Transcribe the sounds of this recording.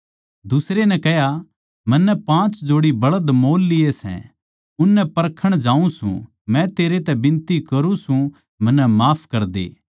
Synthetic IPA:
d̪ʊsɾenɛ̃kɛɦja | mɐ̃nːɛpãːt͡ʃd͡ʒoːɽibɐɽəd̪moːlːɪjesɛ̰̃ | ʊnːɛpɐɾkʰəɽ̃d͡ʒaːũsṵ̃ | mɛ̃t̪eːɾet̪ɛbɪ̃nt̪ikɐɾũsũ | mɐ̃nːɛmaːpʰkɐɾd̪ḛː

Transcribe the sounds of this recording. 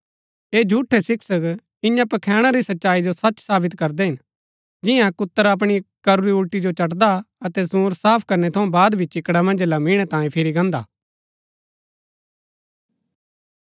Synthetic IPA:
eːd͡ʒʱuːʈʰːesɪksək | ɪ̃jãpɐkʰɛːɽ̃aɾisɐtːʃaːid͡ʒosɐt͡ʃsaːbɪt̪kɐɾd̪eɦɪn | d͡ʒɪjãkʊt̪ːəɾɐp̬ɽ̃ikɐɾuɾiʊlʈid͡ʒot͡ʃɐʈd̪aɐt̪ɛsũːɾsaːpʰkɐɾnet̪ʰɐũbaːd̪bʱit͡ʃɪkɽamɐ̃nd͡ʒlamɪɽ̃et̪ãːĩpʰɪɾiɡɐ̃ːnd̪a̰ː

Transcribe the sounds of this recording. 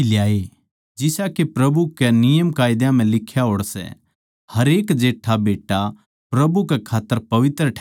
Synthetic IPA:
ljaːe | d͡ʒɪsakepɾɐbukɛnɪjəmkaːɪd̪jãm̤ɛ̃lɪkʰːjaɦoːɽsɛ̰ | hɐɾeːkd͡ʒeːʈʰabeːʈa | pɾɐbukɛkʰaːt̪ːəɾpɐʋɪt̪ɾəʈʰː

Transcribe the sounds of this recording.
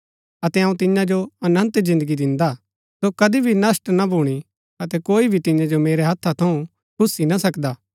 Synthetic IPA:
ɐt̪ɛɐ̃ũt̪ɪ̃jãd͡ʒoɐnə̃nt̪zɪ̃nd̪əɡid̪ɪ̃nd̪a | sokɐd̪ibʱinɐsʈnabʱuɽ̃i | ɐt̪ɛkoːibʱit̪ɪ̃jãd͡ʒomeːɾeɦɐt̪ʰːat̪ʰɐũ | kʰʊsːinasɐkd̪aː

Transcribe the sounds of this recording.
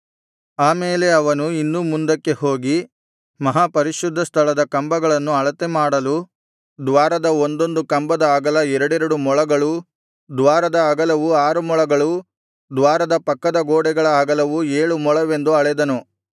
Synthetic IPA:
aːmeːleɐʋɐnuinːumund̪ɐkːe̞ho̞ːɡi | mɐɦaːpɐɾiʃud̪ʱːɐst̪ʰɐɭɐd̪ɐkɐmbɐɡɐɭɐnːuɐɭɐt̪emaːɽɐlu | d̪ʋaːɾɐd̪ɐond̪o̞nd̪ukɐmbɐd̪ɐːɡɐlɐɛɾɐɽɛɾɐɽumɔɭɐɡɐɭu | d̪ʋaːɾɐd̪ɐːɡɐlɐʋuaːɾumɔɭɐɡɐɭu | d̪ʋaːɾɐd̪ɐpɐkːɐd̪ɐɡoːɽɛɡɐɭɐaːɡɐlɐʋueːɭumɔɭɐʋe̞nd̪uɐɭɛd̪ɐnu

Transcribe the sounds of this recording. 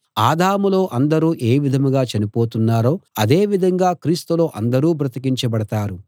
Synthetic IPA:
aːd̪ʱaːmulo̞ːʔɐnd̪ɐɾuːʔe̞ːʋid̪ʱɐmɡaːt͡ʃɐnipo̞ːt̪unːaːɾo̞ːɐd̪e̞ːʋid̪ʱɐŋɡaːkɾiːst̪ulo̞ːʔɐnd̪ɐɾuːbɾɐt̪ikiɲt͡ʃɐbɐɽɐt̪aːɾu

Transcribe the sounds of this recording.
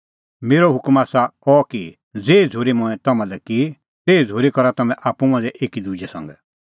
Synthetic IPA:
meːɾoɦʊkmaːsaɔki | d͡zeːid͡zʱoːɾimɔ̃ɛ̃t̪ɐmãlɛki | t̪eːid͡zʱoːɾikɔɾat̪ɐmɛ̃ʔaːpũmãd̪ɛʔeːkid̪ud͡ʒɛsɐ̰̃ŋɡɛ̰

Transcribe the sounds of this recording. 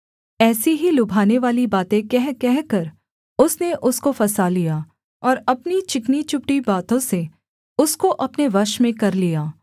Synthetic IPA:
ɛːsiɦilʊbʱaːneʋaːlibaːt̪ẽkɛɦkɛɦkɐɾ | ʊsneʔʊskofɐsaːlijaː | ɔːɾɐpnit͡ʃɪknit͡ʃʊpʈibaːt̪õse | ʊskoʔɐpneʋɐʃmẽkɐɾlijaː

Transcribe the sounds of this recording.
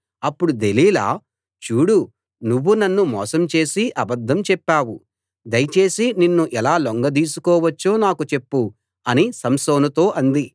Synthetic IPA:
ɐpːuɽud̪e̞liːla̰ː | t͡ʃuːɽu | nuʋːunɐnːumɔ̰ːsɐmt͡ʃe̞ːsiʔɐbɐd̪ʱːɐmt͡ʃɛpːaːwu | d̪ɐjt͡ʃe̞ːsininːuʔɛlaːloŋɡɐd̪iːs̬ukɔːʋɐt͡ʃːo̞ːnaːkut͡ʃe̞pːu | ɐnisɐmsoːnɐt̪o̞ːʔɐnd̪i

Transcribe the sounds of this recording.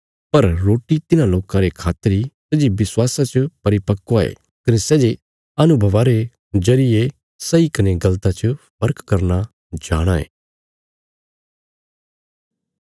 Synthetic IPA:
pɐɾɾoːʈit̪ɪnãloːkãɾekʰaːt̪ːəɾisɐd͡ʒiʋɪswaːsãt͡ʃpɐɾɪpɐkːoaḛ | knesɛːd͡ʒe | ɐnʊbʱɐʋaːɾe | d͡ʒɐɾɪje | sɐikɐneɡɐlt̪ãt͡ʃəpʰɐɾkːɐɾna | d͡ʒa̰ːɽ̃aḛː

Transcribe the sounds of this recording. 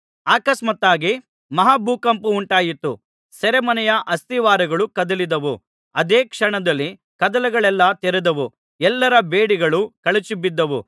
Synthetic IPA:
aːkɐsmɐt̪ːaːɡi | mɐɦaːbʱuːkɐmpuːɳʈaːjit̪ːu | sɛɾɛmɐnɛjɐʔɐst̪iʋaːɾɐɡɐɭukɐd̪ɐlid̪ɐʋu | ɐd̪eːkʂɐɳɐd̪ɐlːi | kɐd̪ɐlɐɡɐɭɛlːɐt̪ɛɾɛd̪ɐʋu | ɛlːɐɾɐbeːɽiɡɐɭukɐɭɐt͡ʃibid̪ːɐʋu

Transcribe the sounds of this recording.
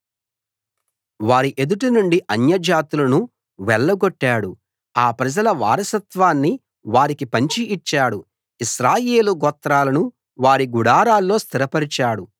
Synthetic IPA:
ʋaːɾiʔe̞d̪uʈ̬inuɳɖiʔɐnjɐd͡ʒaːt̪ulɐnu | ʋɛɭːɐɡoʈːaːɽu | aːpɾɐd͡ʒɐlɐʋa̰ːɾɐsɐt̪ʋaːnːi | ʋaːɾikipɐɲt͡ʃiːt͡ʃːaːɽu | iʃɾaːjeːluɡɔt̪ɾaːlɐnu | ʋaːɾiɡuɽaːɾaːlːo̞ːst̪iɾɐpɐɾit͡ʃaːɽu

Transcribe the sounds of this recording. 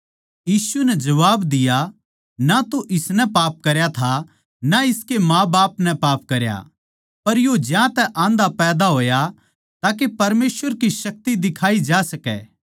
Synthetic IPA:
jiːsunɛd͡ʒɐʋaːbd̪ɪja | nat̪oʔɪsnɛpaːp̚kɐɾjat̪ʰa | naɪskemãːbaːpnɛpaːp̚kɐɾja̰ | pɐɾjod͡ʒjãt̪ɛʔãːnd̪apɛːd̪aɦoːja | t̪aːk̬epɐɾmeːsʋəɾkisɐk̚t̪id̪ɪkʰaːid͡ʒaːsɐkɛ̰ː

